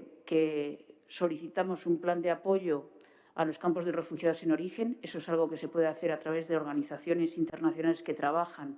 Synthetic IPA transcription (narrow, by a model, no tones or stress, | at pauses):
keso̞liθit̪amo̞sumpland̪eapo̞ʝo̞ | alo̞skampo̞zðere̞fuxjaðose̞no̞ɾixe̞ne̞so̞esalɣ̞o̞ke̞se̞pwe̞ðeaθe̞ɾat̪ɾaβ̞e̞zðe̞o̞ɾɣaniθaθjo̞ne̞sint̪eɾnaθjo̞nale̞ske̞t̪ɾaβ̞axan